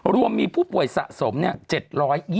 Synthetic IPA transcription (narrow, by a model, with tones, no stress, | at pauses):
ɾu˧əmːiː˧pʰuː˥˩pu˨˩əjsa̰˨˩ʔso˩˦mni˥˩ɐt͡ɕe˨˩t̪̚ɾɔː˦˥jː